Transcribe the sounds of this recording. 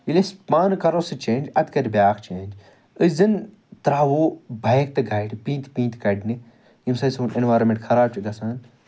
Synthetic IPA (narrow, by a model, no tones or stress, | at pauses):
ilespaːnkɐɾosɨt͡ʃẽːnd͡ʒɐt̪kɐɾʲibʲjaːkt͡ʃeːnd͡ʒ | ɨzɨn | t̪ɾaːʋoːbɐjk̚t̪ɨɡʱɐjʈpĩːnt̪pĩːnt̪kɐɖni | jimsɐsõːnʔenʋaːɾomʲẽɳʈxʰɐɾaːb̚t͡ʃʰiɡɐsaːn